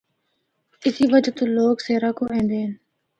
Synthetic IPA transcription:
ɪsiːʋəd͡ʒt̪õːloːkseːɾaːkoːʔɛ̃ːnd̪eːɦən

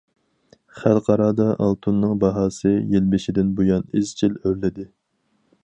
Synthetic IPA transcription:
χælˠqʰɑɾɑːd̪ɑʔɑlˠt̪ʰunːɨŋbɑɦɑːsɨjelbɪʃɪd̪ɪnbojɑnɪzt͡ʃʰiløɾlɪd̪ɪ

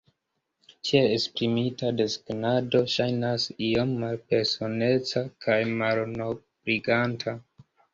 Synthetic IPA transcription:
t͡ʃeespɾimitadesɡnado̞ʃajnasio̞mːalpe̞ɾso̞ne̞t͡sakʰajmalno̞ | bɾiɡantʰa

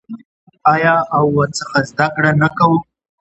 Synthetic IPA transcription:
ɑjɑawːət͡səxazd̪akɽanakawə

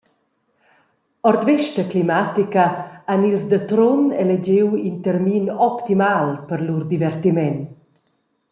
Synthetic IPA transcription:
ɔɾd̪vɛʃtəklimat̪ikəanilzd̪ət̪ɾonɛled͡ʑewint̪əɾminɔpt̪imalpəɾlurd̪ivɛrt̪imɛn

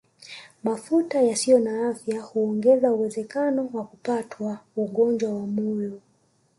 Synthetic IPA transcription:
mafutajasijɔnaafjahuɔŋɡɛzauwɛzɛkanɔwakupatʰwauɠɔnd͡ʒwawamɔjɔ

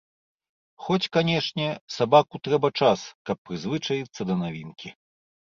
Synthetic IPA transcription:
xɔt͡sʲkanʲɛʂnʲɛsabakut̪ɾɛbɐt͡ʂaskɐpːɾɨzvɨt͡ʂɐjit̪sːɐd̪ɐnavʲinkʲi

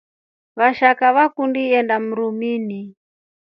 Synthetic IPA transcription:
βaʃakaβakundiɛndam̩ɾumini

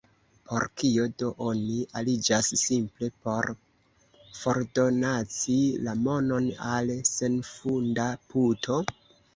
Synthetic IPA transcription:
pʰo̞̰ɾkio̞do̞ʔo̞niʔalid͡ʒasːimple̞po̞ɾ | fo̞ɾdo̞nat͡silamo̞no̞nalse̞nfundaputʰo̞

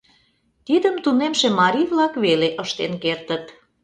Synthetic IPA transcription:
t̪id̪əmt̪unemʃemɑɾʲiβlɑkβeleʔəʃt̪enkert̪ət̪

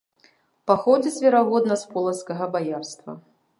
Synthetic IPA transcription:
paxɔd͡zʲisʲvʲɛɾaɣɔd̪nɐspɔlˠɐskɐɣɐbajarst̪vɐ̰

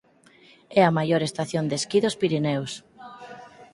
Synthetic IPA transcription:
ɛɐmajoɾest̪aθjond̪eskiðospiɾinɛws

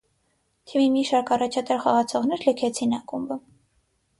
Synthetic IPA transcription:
t̪ʰimimiʃɑɾkʰɑrɑt͡ʃʰɑt̪ɑɾχɔʁɑt͡sʰɔʁnɛɾləkʰɛt͡sʰinɑkumbə

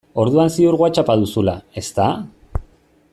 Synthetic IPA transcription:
o̞ɾðuansioɾɣwat͡ʃapaðusulae̞st̪a

